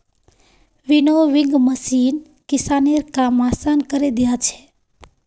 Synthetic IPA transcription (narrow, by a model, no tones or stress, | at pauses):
ʋinoʋiŋɡməsin | kɪsaneɾkamasankəɾed̪ijat͡ʃʰe̥